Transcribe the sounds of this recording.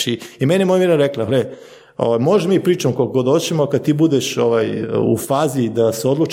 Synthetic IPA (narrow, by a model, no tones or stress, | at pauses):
iimenjemojmeɾaɾeklaɦle | oʋajmoʒmiːpɾiːt͡ʃamokokoɡod̪ot͡ɕemokad̪̚t̪iːbud̪eʃo̞ʋajṵfaːzid̪aseo̞d̪lˠut͡ʃ